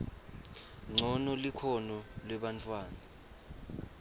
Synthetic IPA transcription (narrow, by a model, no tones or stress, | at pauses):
ŋ͡ǀʱɔnɔlikʰɔnɔlwɛɓant͡fʰʼwaːna